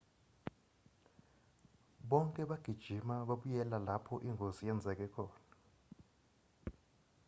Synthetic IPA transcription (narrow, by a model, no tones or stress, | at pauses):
ɓɔŋkʼɛɓaɡ̥ʱid̥ʒ̥ʱimaɓaɓujɛlalapʰɔʔiŋʱozijɛnd͡zʱɛk̬ɛkʰɔːna